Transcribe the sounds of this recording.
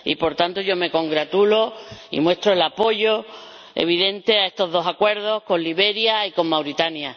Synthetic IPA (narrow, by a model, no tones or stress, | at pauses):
ḭpo̞ɾt̪ant̪oʝo̞me̞ko̞ŋɡɾat̪uloḭmwe̞st̪ɾoelapo̞ʝo | ḛβ̞iðe̞nt̪e̞ae̞st̪o̞ɦðo̞sakwe̞ɾðo̞hkõ̞nliβe̞ɾjaiko̞mmawɾit̪anja